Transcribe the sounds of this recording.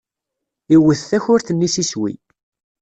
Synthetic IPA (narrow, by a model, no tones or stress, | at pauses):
iwəθθæçʊɾθənːisiswḭ